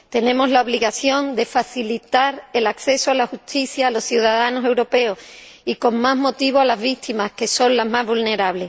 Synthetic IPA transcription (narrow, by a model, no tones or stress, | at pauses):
t̪e̞nẽ̞mo̞zlao̞β̞liɣaθjo̞nd̪e̞faθilit̪aɾe̞lakθe̞soalaxust̪iθjaːlo̞sθjuðaðano̞se̞wɾo̞pe̞oiko̞ŋmazmo̞t̪iβoalazβit̪imaske̞so̞nlazmazβulne̞ɾaβle̞